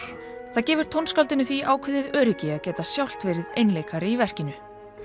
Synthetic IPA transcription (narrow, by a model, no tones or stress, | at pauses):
θaðcɛːvʏɾ̥t̪ʰownskawlt̪ɪnʏθviʔaːwkʰvɪːðɪðœːɾɪcɪaðcɛːt̪asjawl̥t̪vɪɾɪðejnleːjkʰaɾɪivɛr̥cɪnʏ